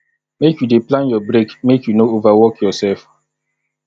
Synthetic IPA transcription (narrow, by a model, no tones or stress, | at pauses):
mekjudeplãnjɔbɾekmekjunoovawɔkjɔsɛlf